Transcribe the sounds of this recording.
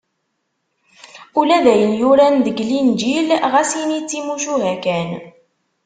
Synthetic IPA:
ulæðæjənjuɾænðəɡlind͡ʒilʁæsjinit͡sːimuʃuɦækæn

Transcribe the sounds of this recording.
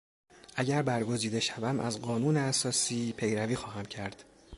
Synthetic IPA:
ʔæɟæɾbæɾɡo̞ziːd̪e̞ʃævæmʔæzɢɒːnuːneæsɒːsiːpʰe̞jɾæviːxɒːɦæmcʰæɾd̪̥

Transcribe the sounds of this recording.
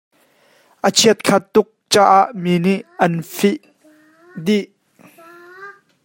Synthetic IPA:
ʔət͡ʃʰiət̪̚kʰɐt̪ːʊk̚t͡ʃaʔaʔminiʔːɐnfiʔ | d̪iʔ

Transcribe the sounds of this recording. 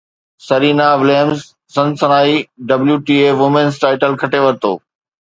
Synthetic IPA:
sɐɾiːnaʋɪleːəmzː | ɐ̃nsɐnaːiɖɐbljuʈiːeːʋʊmẽnsʈaːɪʈəlkʰɐʈeʋɐɾt̪o̰ː

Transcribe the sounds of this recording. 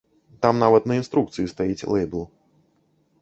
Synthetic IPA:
t̪amnavɐt̪nɐinst̪ɾuk̚t̪sɨjist̪ajit͡sʲlˠɛjblˠ

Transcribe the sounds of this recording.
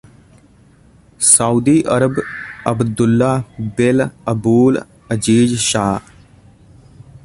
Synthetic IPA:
sauːd̪iːʔəɾəbəbd̪ʊlːabɪləbuːl | əd͡ʒiːd͡ʒʃaː

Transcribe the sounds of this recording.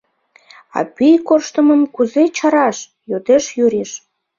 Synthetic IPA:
ɑ̰pyjkorʃt̪əməmkuzet͡ɕɑɾɑʃ | jod̪eʃjyɾeʃ

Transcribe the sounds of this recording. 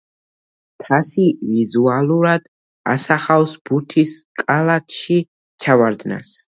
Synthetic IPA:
kʰasivizualˠuɾad̪̥ | a̰saχawsb̥uɾt̪ʰiskʼalˠat̪ʰʃi | t͡ʃʰavaɾd̪na̰s

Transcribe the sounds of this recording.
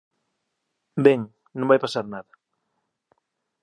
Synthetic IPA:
bɛŋ | nõmbajpasaɾnaðɐ

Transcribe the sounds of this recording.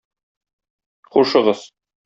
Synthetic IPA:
quʃɤ̆ʁɤz

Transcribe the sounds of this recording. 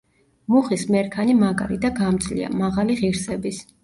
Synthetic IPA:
muχismɛɾkʰanimakʼa̰ɾid̪aɡamd̪zʼlḭa̰maʁaliʁiɾsɛbis

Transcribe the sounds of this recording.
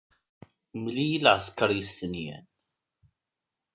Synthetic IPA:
mlijilʕəskəɾˤjəst̪ənjæ̰n

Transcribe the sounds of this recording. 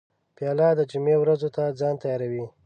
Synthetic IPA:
pjɑlɑd̪əd͡ʒʊmewɾazot̪ad͡zɑnt̪ajɑɾawi

